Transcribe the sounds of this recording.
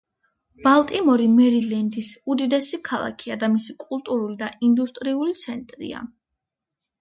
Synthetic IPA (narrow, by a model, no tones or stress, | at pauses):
b̥alˠt̪ʼimɔɾimɛɾilɛnd̪isud̪id̪ɛsikʰalˠa̰kʰiad̪amisikʼulˠt̪ʼuɾulid̪aind̪ust̪ʼɾiulit̪sʰɛnt̪ʼɾḭa̰